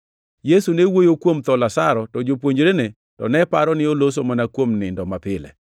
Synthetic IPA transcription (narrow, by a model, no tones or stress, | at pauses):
jesunewojokwomt̪ɔlasaɾɔtɔd͡ʒop̬woɲd͡ʒɾene | tɔ̰nɛpaɾɔnɪolos̬omanakwomnɪndɔmapɪlɛ̰